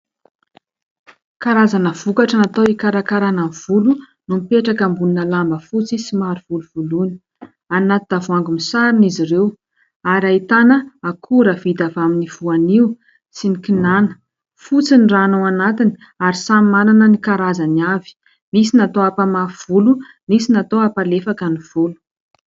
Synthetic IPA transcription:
kaɾazanəv̥ukaʈ͡ʂanat̪oikaɾakaɾanav̥ulu | numipeʈ͡ʂakambuninəlambəfut͡sisimaɾiv̥uluv̥uluni̥ | anat̪ud̪avuaŋɡumisaɾinizirew | aɾait̪anəakʰuɾəvid̪avaminiv̥uaniu | sinikinanə̥ | fut͡sinranowanat̪ini̥ | aɾisamimananənikaɾazaniavi̥ | misinat̪oapamaɾv̥ulu | misinat̪oapalefakəniv̥ulu̥

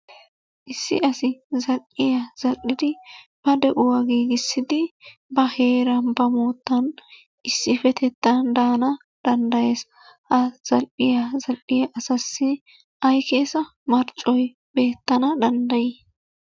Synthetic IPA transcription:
ʔɪsːɪ̰ʔɐsɪzɐlʔʼɪjaz̥ɐlʔʼɪd̪ɪb̥ɐd̪ɛʔʊwɐɡiːɡɪsːɪd̪ɪbɐhe̞ːɾɐnbɐmoːt̪ːɐn | ʔɪsːɪfɛt̪ɛt̪ːɐnd̪aːnɐ | d̪̥ɐnd̪ɐje̞ːs | hɐz̥ɐlʔɪjazɐlʔɪjɐʔɐsɐsːɪ | ʔɐjkeːsɐ | mɐɾt͡ʃʼɔj | be̞ːt̪ːɐnɐd̪ɐnd̪ɐji

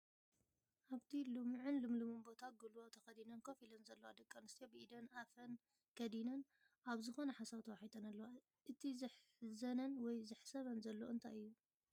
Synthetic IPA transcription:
ʔaβt̪ʰilɨmʕɨnlɨmlɨmɨnbo̞t̪ʰaɡulwot̪ʰɐxɐd̪inɐnkʰofilɐnzɐlːɐwad̪ɐkʼːanɨst̪ijobɨʔid̪ɐnafɐn | kʰɐd̪inɐn | ʔaβzɨxo̞nɐħasaβt̪ʰɐwaħit̪ʼɐnɐlːɐwa | ʔɨt̪ʰizɨħ | zɐnɐnwɔjzɨħsɐβɐnzɐlːo̰ʔɨnt̪ʰa̰jɨjːu

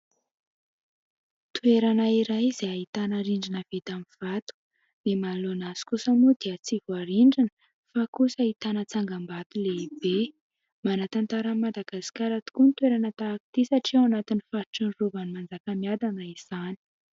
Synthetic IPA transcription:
t̪uweɾanaiɾajz̥eait̪anaɾiɳɖ͡ʐinəv̥et̪amiv̥at̪u̥ | mimalonaz̥i̥kusamud̪iət͡sivuaɾiɳɖ͡ʐinə | fakusait̪anət͡saŋɡambat̪uleibe | manat̪ant̪aɾamad̪aɡ̥asi̥kaɾat̪u̥kunit̪weɾanət̪aːki̥t̪isaʈ͡ʂiwanat̪inifaɾʈ͡ʂiɳruvanimand͡zakəmiad̪anaiz̥ani̥

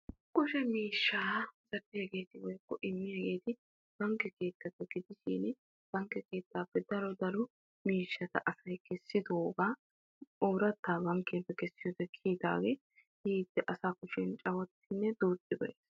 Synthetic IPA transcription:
kʊʃɛmiːʃːaːzɐɾːɪhɛɡe̞ːt̪ɪwɔjkːɔʔɪmːɪhɛɡe̞ːt̪ɪ | b̥ɐŋkːɛke̞ːt̪ːɐpːɛɡ̥ɪd̪ɪʃḭːn | b̥ɐŋkːɛke̞ːt̪ːaːpːɛd̪ɐɾɔd̪ɐɾʊ | miːʃːɐt̪ɐ̰ʔɐsɐjkɛsːɪd̪oːɡaː | oːɾɐt̪ːaːbɐŋkːɛpːɛkɛsːɪjɔd̪ɛkʰiːd̪a̰ːwɛ | hiːd̪̥ːɛʔɐsaːkʊʃɪnt͡ʃʼɐwɔt̪ːɪnːɛd̪uːt̪ʼːɪbɐʔeːs

